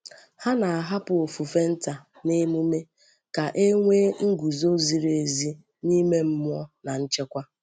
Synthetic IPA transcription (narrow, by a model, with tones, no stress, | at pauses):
ha˦na˨a˨ɦa˦pʊ˨o˨fu˨fe˦n̩˦ta˨ | ne˦mu˦me˦ | ka˨ʔe˦ŋʷeː˦ŋ̩˦ɡu˨zo˦zi˨ɾe˨zi˦ | ni˦me˦m̩˦mʊ˦ɔ˦na˨n̩˦t͡ʃe˦kʷa˦